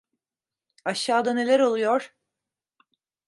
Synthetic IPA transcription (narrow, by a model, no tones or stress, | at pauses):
aʃːaːd̪ane̞lʲæɾo̞lˠujo̞ɾ̥